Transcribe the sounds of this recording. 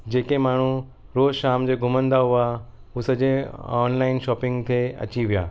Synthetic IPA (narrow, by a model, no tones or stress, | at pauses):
d͡ʑeːkemaːɳ̤u | ɾoːzʃaːmd͡ʑeːɡʱʊmə̃nd̪aɦʊa | usɐd͡ʑẽɔːnlaːɪnʃɔːpɪ̃ŋɡt̪ʰeɐ̰t͡ɕiʋija̰ː